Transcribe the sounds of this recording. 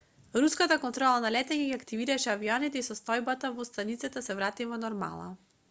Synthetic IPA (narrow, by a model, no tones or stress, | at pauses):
ɾuskat̪akɔnt̪ɾɔlˠanalɛt̪ɛɲɛɡiakt̪iviɾaʃɛaviɔnit̪ɛisɔst̪ɔjbat̪avɔst̪anit̪sɛt̪asɛvɾat̪ivɔnɔɾma̰lˠa̰